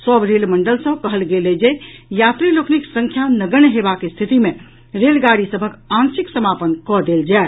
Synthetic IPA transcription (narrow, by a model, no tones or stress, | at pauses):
səbʱɾelməɳɖəlsə̃kəɦəlɡeled͡ʒejat̪ɾilokniksə̃ŋkʰjanəɡənɦebakest̪ʰit̪ime | ɾelɡaɾisəbʱəkãnsiksəmapənkɔd̪eld͡ʒae